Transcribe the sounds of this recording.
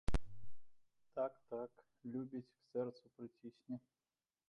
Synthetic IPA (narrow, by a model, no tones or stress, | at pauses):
t̪akt̪ak | lʲubʲit͡sʲksʲɛrt̪supɾɨt͡sʲisʲnʲi